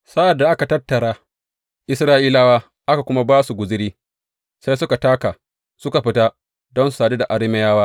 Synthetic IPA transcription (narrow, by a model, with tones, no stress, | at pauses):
sa˦ʔa˨dːa˨ʔa˦ka˨tɐ˦tːɐ˨ɽaː˦ | ʔɪ˦sɾaː˦ʔiː˦laː˦waː˦ | ʔa˦ka˨kʷʊ˦ma˦baː˦su˨ɡʷʊ˨zɪ˦ɽiː˦ | sa˦jsʊ˦ka˨taː˦ka˨ | sʊ˦ka˨ɸɪ˦ta˦ | dɔ˦nsu̥˨˦saː˨de˦da˨ʔa˦ɽɪ˦mɛ˦jaː˦waː˦